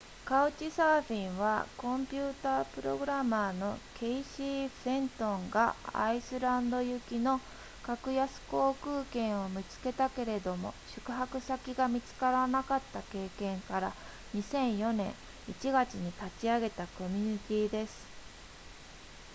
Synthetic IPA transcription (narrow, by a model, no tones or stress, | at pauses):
kaɯ̟t͡ɕisaːɸʲĩɰ̃βakõ̞mpʲɨːt̪aːpɯ̟ɾo̞̰ɡɯ̟ɾamaːno̞kʰe̞iɕi̥ːẽ̞nt̪õ̞ŋɡa̰a̰isɨɾãnd̪o̞jɯ̟kʲino̞ | kakɯ̟jasɨ̥ko̞ːkɯ̟ːkẽ̞ɰ̃o̞mʲit͡sɨ̥ke̞t̪ake̞ɾe̞d̪o̞mo̞̰ɕɨ̥kɯ̟ɦakɯ̟sakʲiɡamʲit͡sɨ̥kaɾanakat̪ːake̞ːkẽ̞ŋkaɾa | ɲ̟isẽ̞ɰ̃jo̞nẽ̞̰ɰ̃ | it͡ɕiɡat͡ɕiɲ̟it̪at͡ɕiaɡe̞t̪ako̞mʲiɲ̟it̪ʲiːd̪e̞sɨ̥